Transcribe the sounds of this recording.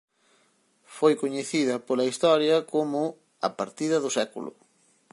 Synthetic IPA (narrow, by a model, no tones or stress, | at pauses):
fojkoɲeθiðɐpolɐist̪ɔɾjɐkomʊ | ɐ̰paɾt̪iðɐðʊsɛkṵlʊ̰